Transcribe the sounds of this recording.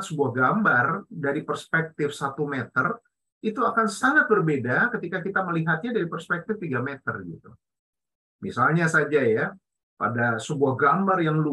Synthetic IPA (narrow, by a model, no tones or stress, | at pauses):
t̪səbuahɡambardaɾipərspɛk̚t̪ɪfsat̪umɛt̪ər | it̪uakansaŋat̪̚bərbedakət̪ikakit̪aməliɦat̪̚ɲadaɾipərspɛk̚t̪ɪft̪iɡamɛt̪ə̰rɡit̪u | misalɲasad͡ʒaja | pa̰dasəbuahɡambarjaŋlu